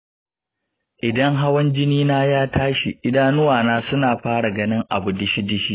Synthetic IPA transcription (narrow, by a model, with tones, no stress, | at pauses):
ʔɪ˨dɐ˦ŋɦa˦wɐ˦nd͡ʒɪ˦niː˦naː˦jaː˦tʰaː˦ʃḭ˨ʔɪ˦daː˦nʊ˦waː˨naː˦sʊ˦naː˨ɸaː˦ɽa˨ɡɐ˦nɪ˦ŋʔa̰˨bʊ˨dɪ˦ʃi˦dɪ˦ʃiː˦